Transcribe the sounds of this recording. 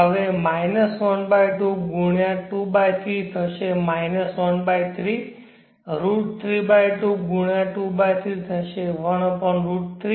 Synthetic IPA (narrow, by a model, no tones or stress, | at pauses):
ɦəʋemainəsʋənbajʈukɡuɳjãʈubajt̪ʰit̪ʰəʃemajnəsʋənbajt̪ʰɾi | ɾuʈ̚t̪ʰɾibajʈuk̚ɡuɳjãʈubajt̪ʰit̪ʰəʃeʋəɽopəɳɾuʈ̚t̪ʰɾi